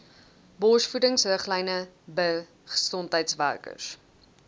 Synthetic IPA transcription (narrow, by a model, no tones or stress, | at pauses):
bɔsfudəŋsrəχlɛjnəbə | χə̥sɔntəjtsværkə̰s